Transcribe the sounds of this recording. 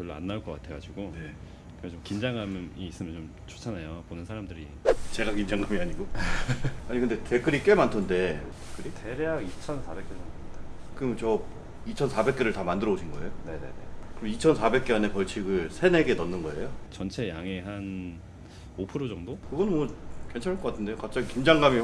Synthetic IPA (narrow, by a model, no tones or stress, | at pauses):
kjʌɭːa̰nːaɭk͈ʌk͈atʰe̞ɡa̰d͡ʑuɡone | kɯɡet͡ɕomkind͡ʑaŋamiːs͈ɯmjʌnt͡ɕom | t͡ɕʰo̥t͡ɕʰanajoponɯnsʰaɾamdɯɾi | t͡ɕe̞ɡakind͡ʑaŋɡamiaɲiɡo | aɲikʰɯnde̞te̞k͈ɯɾik͈e̞mantʰonde̞ | k͈ɯɾiteɾeaɡit͡ɕʰʌnsʰabe̞k͈emanɡmɲidakɯmt͡ɕʌ | it͡ɕʰʌnsʰabe̞k͈̚eɾɯɭtamandɯɾʌuɕʰinɡʌe̞jone̞nḛnḛkɯɾʌmit͡ɕʰʌnsʰabe̞k͈̚eane̞pʌɭt͡ɕʰiɡɯɭsʰe̞ne̞ɡe̞nʌnːɯnɡʌe̞̰jot͡ɕʌnt͡ɕʰe̞jaŋe̞ɦan | opʰɯɾod͡ʑʌŋdokɯɡʌnɯnmwʌke̞nt͡ɕʰanɦaɭk͈ʌk͈atʰɯnde̞jokap̚t͡ɕ͈aɡikind͡ʑaŋɡami